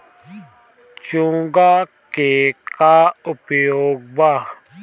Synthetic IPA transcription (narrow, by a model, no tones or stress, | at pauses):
t͡ʃũːɡakekaʊpjoːɡ̚baː